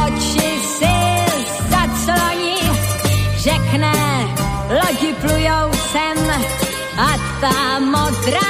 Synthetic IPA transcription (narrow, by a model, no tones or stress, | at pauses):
ɔt͡ʃɪ | zɪ | zat͡slɔɲi | ʒɛknɛ | lɔɟɪplujowsɛm | at̪amɔd̪ɾa